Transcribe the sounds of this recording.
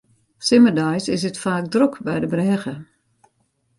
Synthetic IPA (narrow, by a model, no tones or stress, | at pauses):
sɪmədajsɪsətfaːkdrukbɛjdəbrɛːɣə